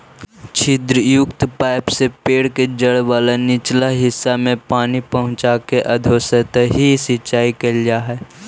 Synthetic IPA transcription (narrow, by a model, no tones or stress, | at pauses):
t͡ʃʰɪd̪ɾəjʊkt̪paːɪpsepeːɽked͡ʒəɽʋaːlenɪt͡ʃlaɦɪsːamẽpaːnipəɦʊ̃t͡ʃakeʔɐd̪ʱoːsət̪ɦisɪʃaːikəld͡ʒaɦɛː